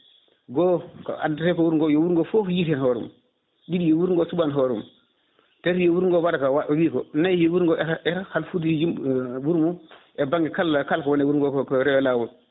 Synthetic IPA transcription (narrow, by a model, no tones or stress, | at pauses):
ɡoːka̰datekowuɾŋɡojowuɾŋɡofofjiɾenɦoɾṵm | didijowuɾŋɡosubanɦoɾṵm | teɾjowuɾŋɡowaɾkawawiːkonajjewuɾŋɡoʔeɾahalfutijimwuɾmu | ebaŋɡikalakalkowonewuɾɡokkɾewelawu